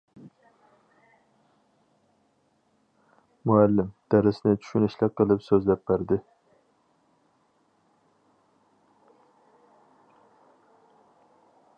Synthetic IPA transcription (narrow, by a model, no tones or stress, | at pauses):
muælːɪmd̪̥æɾɪsnɪt͡ʃʰy̥ʃynɪʃlɪqəlˠɨpsøzlɛp̚ːbæɾd̪ɪ